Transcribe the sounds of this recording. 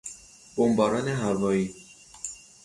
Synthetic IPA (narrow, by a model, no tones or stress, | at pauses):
b̥ombɒːɾɒːneɦæɾvɒːiː